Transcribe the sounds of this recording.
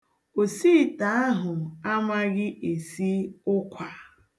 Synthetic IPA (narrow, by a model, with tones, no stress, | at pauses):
o˨siː˦˨ta˨a˦ɦʊ˨a˦ma˦ɣɪ˦ʔe˨si˦ʊ˦kʷa˨